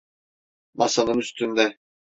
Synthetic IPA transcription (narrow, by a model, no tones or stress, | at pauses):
masanɯnyst̪ʰynd̪ɛ